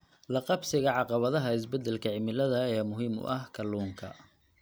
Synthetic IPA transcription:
lɐqɑbsɪɣɐʕɑqɑβɐðɐɦɐɪs̬bɛd̪ːɛlkʰɐʕɪmɪlɐðɐɛmʊɦiːmʊ̰ʔɐhkʰɐluːŋkʰɐ̰

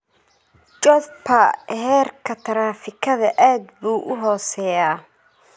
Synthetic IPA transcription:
t͡ʃɔpʰɐɦɛːrkʰɐt̪ʰɐɾaːfɪkʰɐðɐʔaːd̪buːʔʊɦɔːsɛːjaː

